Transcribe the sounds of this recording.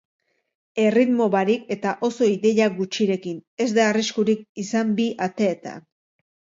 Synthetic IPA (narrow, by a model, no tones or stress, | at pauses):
e̞rit̪mo̞βaɾike̞t̪aʔo̞so̞iðe̞ʎaɡut͡ʃiɾe̞kine̞zd̪aːriskuɾik̚isambiʔat̪e̞ːt̪a̰